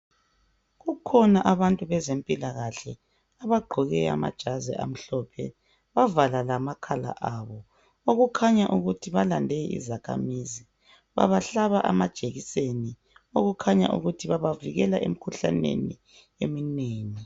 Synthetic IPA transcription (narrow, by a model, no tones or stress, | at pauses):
ɣukʰɔnaʔaβantʼuβɛzempʼilaɣaɬɛ | aβaɡ͡ǃʱɔɣɛa̰ma̰d̥ʒ̥ʱazɛ̰ʔa̰m̩ɬɔpʰɛ̰ | βavalalamakʰala̰ʔaβɔ | oɣukʰaɲaʔuɣutʰiβalandʱɛʔḭzakʰa̰mizi | βa̰βaɬaβaʔa̰mad̥ʒ̥ʱeɣiseni | oɣukʰaɲa̰ʔṵɣutʰiβaβaviɣɛlaʔem̩kʰuɬa̰nḛnḭ | emineːŋi